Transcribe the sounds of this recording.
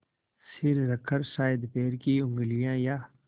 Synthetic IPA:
sɪɾɾɐkʰːəɾʃaːjəd̪peːɾkiʊ̃ŋɡlijãːjaː

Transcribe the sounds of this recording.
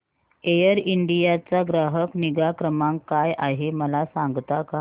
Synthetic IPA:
ejəɾiɳɖijat͡saɡɾaɦəkniɡakɾəmãŋkːajʔaɦeməlasãŋɡt̪aka

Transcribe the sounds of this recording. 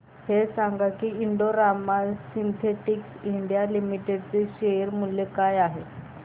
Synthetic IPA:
hesaŋɡakiiɳɖoɾamasint̪ʰeʈiksiɳɖijalimiʈeɖt͡seʃeɾmunlekajaːɦe

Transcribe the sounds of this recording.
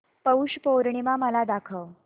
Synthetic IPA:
pəuɕpowɾɳimaməlad̪akʰəw

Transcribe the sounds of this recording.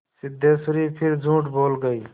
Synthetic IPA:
sɪd̪ʱːesuɾipʰɪɾd͡ʒũːʈboːlɡəi

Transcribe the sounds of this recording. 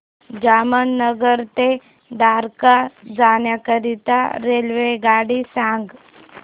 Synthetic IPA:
d͡ʒamənːəɡəɾt̪e | ɖ̪aɾkad͡zaːnjakəɾit̪aɾelʋeɡaːɽisãŋɡ

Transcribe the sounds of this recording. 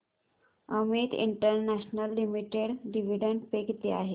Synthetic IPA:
əmit̪ḭɳʈəɾnæɕnəlːimiʈeɽɖiʋiɖəɳɖpekt̪iaɦe

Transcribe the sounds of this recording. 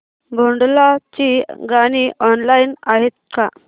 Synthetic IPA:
bʱoɳɖlat͡ɕiɡaɽ̃iʔɔnlainaɦet̪̚ka

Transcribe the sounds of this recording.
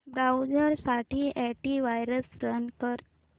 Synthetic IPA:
bɾawd͡ʑəɾsaʈʰiɛʈiʋajɾəsɾənkəɾ

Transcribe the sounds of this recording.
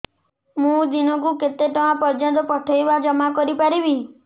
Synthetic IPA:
mũd̪inɔ̃kuket̪eʈ̪ɔãpɔɾd͡ʒɔnt̪ɔpɔʈʰɔjbad͡ʒɔmakɔɾipaɾibi

